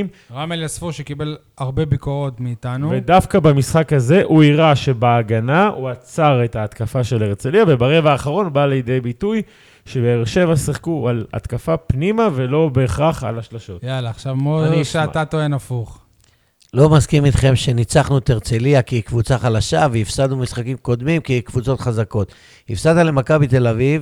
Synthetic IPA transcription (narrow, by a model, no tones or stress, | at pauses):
m | ʁameljasfuʃekibe̞l | aʁbebikoʁo̞tmiːtanuvedafkabamisχakhaze̞ʔuiʁaʃe̞baːɡanauat͡saʁe̞taːt̪kafaʃe̞leʁt͡seliave̞baʁe̞vaːχaʁo̞nbaːlejed̪e̞jbituj | ʃe̞beːʁʃe̞vasiχkuala̰t̪kafapnimave̞lo̞beχaχa̰laʃlaʃo̞tjalaːχʃavmoiʃaatat̪oenafuχ | lo̞maskimit̪χe̞mʃe̞nit͡saχnuet̪eʁt͡seliakikvut͡saχalaʃaveifsad̪numisχakimko̞d̪mimkikvut͡so̞t̪χazako̞t̪ | ifsat̪ale̞makabit̪e̞laviv